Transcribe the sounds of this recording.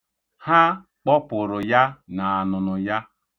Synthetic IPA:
ha˦ | k͡pɔ˦pʊ˨ɾʊ˨ja˦na˨a˨nʊ˨nʊ˨ja˦

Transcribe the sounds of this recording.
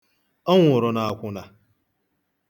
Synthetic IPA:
ɔ˦ŋʷʊ˨ɾʊ˨na˨a˨kʷʊ˦na˨

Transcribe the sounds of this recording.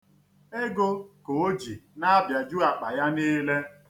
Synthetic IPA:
e˦ɡo˦ko˨o˦d͡ʒi˨na˦bja˨d͡ʒu˦a˨k͡pa˨ja˦niː˦le˦

